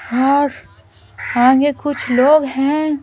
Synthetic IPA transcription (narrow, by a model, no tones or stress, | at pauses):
ɔːɾ | ãːŋɡekʊt͡ʃʰloːɡɦɛ̃ː